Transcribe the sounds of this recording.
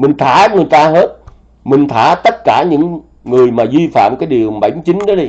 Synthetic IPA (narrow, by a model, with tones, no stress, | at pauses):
mï˨˩ŋ̟t̪ʰaː˧˩ŋɨ˨˩əjt̪aː˧ɦe˦˥t̚ | mï˨˩ŋ̟t̪ʰaː˧˩t̪ə˦˥t̚kaː˧˩ɲɨ̰˧˥ŋː | ɨ˨˩əjmaː˨˩zi˧fa̰ː˧˨mkaː˨˦jɗi˨˩əŋɓa˧˩jmt͡ɕï˨˦ŋ̟ɗɔ˨˦ɗi˧